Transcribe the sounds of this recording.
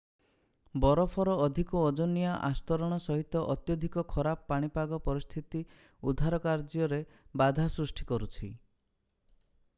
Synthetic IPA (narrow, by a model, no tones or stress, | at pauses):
bɔɾɔpʰɔɾɔːd̪ʱikuɔd͡ʒɔnijaʔa̰st̪ɔɾɔɽ̃ɔsɔɦit̪ɔʔɔt̪jɔd̪ʱikɔkʰɔɾapɔpaɽ̃ipaɡɔpɔɾist̪ʰit̪i | ud̪ʱaɾɔkaɾd͡ʒɔɾebad̪ʱasɾusʈʰikɔɾut͡ʃʰi